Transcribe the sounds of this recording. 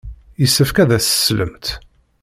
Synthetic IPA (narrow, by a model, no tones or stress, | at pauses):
jəsːəfkæðæsə̥slə̰mt̪